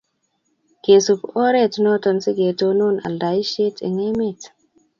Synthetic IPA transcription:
ɡ̥e˨su˨po˦ɾɛ˦tno˦tɔ˨nsi˦ɡe˨to˦nu˦na̰˨lda˨i˦ʃe˦tɛ̰˨ŋe˦me˨t

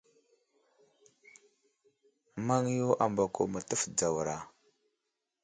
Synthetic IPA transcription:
ma˦ŋ˦jo˦ʔa˨mba˨ko˨mə˨tə˦fd͡za˨wɾa˨

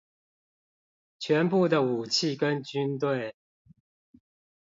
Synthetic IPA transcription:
t͡ɕʰɥɛ˨˦npu˥˨d̪ə˨u˨˩t͡ɕʰi˥˨kə˦nt͡ɕy˦nt̪̬we˥˨˩ɪ

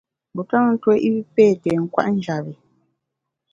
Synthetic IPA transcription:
bu˨ta˦ŋn̩˦twɛ˦ʔi˦pɛː˦˨tɛ˨ŋ̩˦kwa̰˦ʔn̩˦d͡ʒa˨bi˨

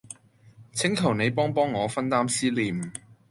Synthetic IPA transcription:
t͡sʰɪ˨˥ŋt̪ʰɐ˨˩wne˨˧jpɔː˥ŋpɔː˥ŋːɔː˨˧fɐ˥nt̪aː˥msiː˥liː˨˩m

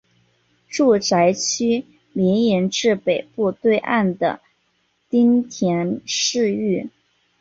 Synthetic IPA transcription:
ʈ͡ʂu˥˩ʈ͡ʂa˧˥ɪt͡ɕʰy˥ | ljɛ˧˥nɛ˧˥nʈ͡ʂɻ̩˥˩pe˨˩ɪpu˥˧t̪we˥˧ɪʔa˥˩nd̪ə̰˩ | t̪i˥ŋt̪ʰjɛ˧˥nʂɻ̩˥˧y˥˩

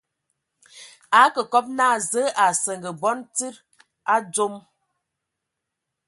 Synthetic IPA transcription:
a˨˦kə˨kɔ˦p̚naː˦˨zə˨˦ʔa˨sə˨ŋɡə˨bɔ˦nti˦ɾ | a˦d͡zo˦m

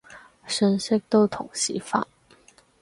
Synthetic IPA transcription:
ʂə˧˥nɕe˥k̚t̪o˥ʊt̪ʰʊ˨˩ŋɕḭ˧˥fa̰˨˩˦n

